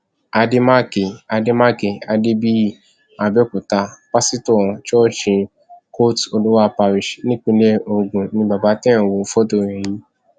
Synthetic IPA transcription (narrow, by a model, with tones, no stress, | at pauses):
a˧de˦ma˦ke˨a˧de˦ma˦ke˨a˧de˦bi˦ | a˧bɛ˦ku˨ta˧k͡pa˦si˦tɔ̃˦˨t͡ʃɔ˦ʃĩ˧ | ko˦to˧lu˦wa˦pa˧ɾi˨ʃnĩ˦k͡pĩ˧lɛ˦o˧ɡũ˨nĩ˧ba˨ba˨˦tɛ̃˦ã˦˨wo˧˦fɔ˦tõ˧˨ɛ̃˨ji˨˦